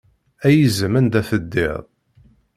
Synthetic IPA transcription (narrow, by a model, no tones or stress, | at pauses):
æjəzəmænd̪æθəd̪ːɪ̰ðˤ